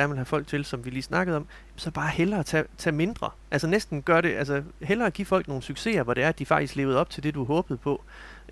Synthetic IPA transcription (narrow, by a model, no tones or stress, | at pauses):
æɐnʋelhæfɒ̽l̰ɡ̥̚t͡sʰe̝lsɒ̽mʋiliːsnɑ̈ɡ̥əð̞̩ˠɒ̽m | sɒb̥ɑ̈ːhelɐːt͡sʰɛ̰t͡sʰɛːme̝nd̥ʁɐ̰ʔælsənesd̥n̩ɡ̥ɶɐɾe̝ʔælsəhelɐːɡ̥ḭfɒ̽l̰ɡ̥̚no̝ːn̩syɡ̥se̝̰ːɐʋɒɾ̥e̝æɐæd̥ifɑ̈ɡ̥d̥isɡ̥le̝ːʊð̩ˠɒ̽b̥̚t͡sʰe̝ld̥e̝d̥uæɦɔ̽ːb̥ð̞̩ˠpʰɒ̽